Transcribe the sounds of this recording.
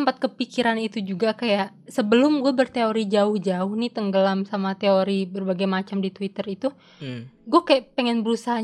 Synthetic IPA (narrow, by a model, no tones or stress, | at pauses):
əmpat̪̚kəpikiɾanit̪ud͡ʒuɡakajaʔ | səbəlʊmɡuabərt̪eoɾid͡ʒaʊhd͡ʒaʊhnit̪əŋɡəlamsamat̪eoɾibərbaɡajmat͡ʃamdit̪wit̪ərit̪u | ɡuakajaʔpeŋɛnbəɾusaɦa